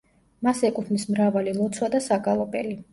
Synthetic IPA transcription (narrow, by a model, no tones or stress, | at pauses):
masɛkʼupʰnismɾavalilˠɔt̪sʰwad̪asaɡalˠɔpʼɛli